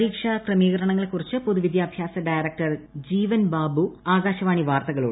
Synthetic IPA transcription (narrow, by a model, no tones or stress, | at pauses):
iːkʂɐkrɐmiːɣɐɾɐɳɐŋːɐɭekːurit͡ɕːɨpoðuʋid̪jaːbʱjaːsɐɖajɾɐk̚ʈɐrd͡ʑiːʋɐnbaːbuaːɡaːɕɐʋaːɳiʋaːrt̪ɐɣɐɭuːɽɨ